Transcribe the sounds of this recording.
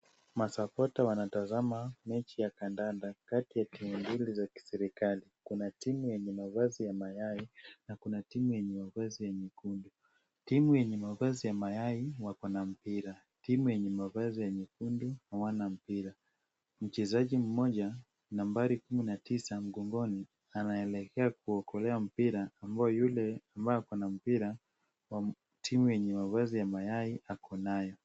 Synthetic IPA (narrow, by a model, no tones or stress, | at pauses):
masapɔtawanatazamamɛt͡ʃijakandandakatijatimumbilizaki̥sɛɾikalikunatimujɛɲɛmavazijamajainakunatimujɛɲɛmavazijaɲikundu | timujɛɲɛmavazijamajaiwakɔnam̩piɾa | timujɛɲɛmavazijaɲikunduhawanam̩piɾa | m̩t͡ʃɛzaʄim̩mɔʄa | nambaɾikuminatisam̩ɠɔŋɡɔni | anaɛlɛkʰɛakuɔkɔlɛam̩piɾaːmbaɔjulɛambajɔakɔnam̩piɾa | wa | tʰimujɛɲɛmavazijamajaiʔakʰɔnajɔ